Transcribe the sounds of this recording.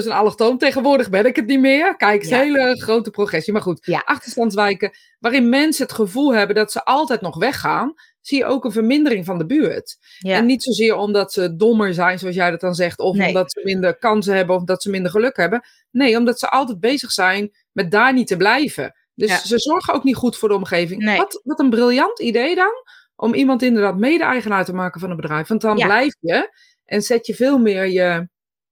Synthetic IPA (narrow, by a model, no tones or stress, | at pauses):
døsənalˠətoːmtejɣənʋʊːəɹdəχbɛnɪkətnimɪərkɛjksheləχrowtəproχɛsiəmarχutʔɑxtəɹstɑntsʋɛjkə | ʋaːrɪnmɛnsəətχəvulˠɦɛbəndɔtsəʔɑlˠtɛjtnɔχʋɛxaːn | sijəʔo̰ːkənvərmɪndərɪŋfɔndəbyːət | ɛnːitsoːzɪːəɹɔmdɔtsədoməɹzɛjnsoɑs̬jɛjdɔt̚dɔnzɛχtɔfmdɔtsəmɪndərkɑns̬əhɦɛbənɔfdɔtsəmɪndərχəløkhɛbə | nejomdɔtsəʔɑlˠtɛt̚beːzəxsɛjn | mɛt̚daːɹnitəblɛjvə̰ | døssəzɔɹχəowknitχutfʊːdəomχeːvɪŋʋɔtʋɔtənbrɪlˠjɑntidejdɔn | ʔɔmimɑntɪndərdaːtmeːdəɛjɣənaːtəmaːkənfɔnənbədrɛjfʋɑntɔnblɛjfjə | ʔɛnsɛtjəfɪːlˠmɪəɹjə